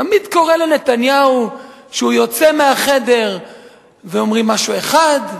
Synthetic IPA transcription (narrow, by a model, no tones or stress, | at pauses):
amid̪ko̞ʁelene̞t̪anjauʃeujo̞t͡semeaχe̞de̞ʁ | veo̞mʁimːaʃue̞χad̪